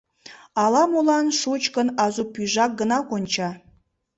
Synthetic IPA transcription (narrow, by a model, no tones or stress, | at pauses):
ɑlˠɑmulˠɑnʃut͡ɕkə̆nɑzupyʒɑk̚ɡənɑkonʲt͡ɕɑ